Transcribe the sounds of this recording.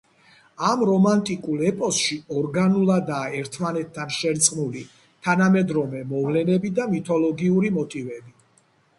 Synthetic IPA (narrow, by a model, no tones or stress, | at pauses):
amɾɔmant̪ʼikʼulˠɛpʼɔsʃiɔɾɡanulˠad̪aːɛɾt̪ʰmanɛt̪ʰːanʃɛɾt̪sʼnuli | t̪ʰanamɛd̪ɾɔmɛmɔvlɛnɛbid̪amit̪ʰɔlɔɡiuɾimɔt̪ʼivɛbi